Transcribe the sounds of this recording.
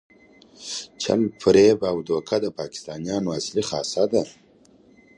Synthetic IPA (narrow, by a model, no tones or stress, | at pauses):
t͡ʃʰa̰lpʰɾebawd̪oːkʰad̪əpɑːkɪ̥st̪ɑːnijɑnoasliχɑsad̪a